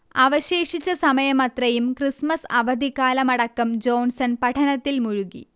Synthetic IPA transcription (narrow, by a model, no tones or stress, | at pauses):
aːʋɐɕe̞ːʂit͡ɕːɐsɐmɐjɐmɐt̪rɐjumkrismɐsɐʋɐd̪ikːaːlɐmɐɽɐkːɐmd͡ʑo̞ːnsɐnpɐʈʰɐnɐt̪ːilmuɻuɣḭ